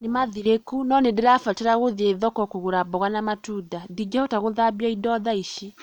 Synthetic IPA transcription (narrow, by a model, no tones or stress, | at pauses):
nemaðiɾekunɔnedeɾafateɾaɣoðeðɔkɔkoɣuɾabɔɣanamatudadid͡ʒaɔtaɣoðabjaidɔðaiʃi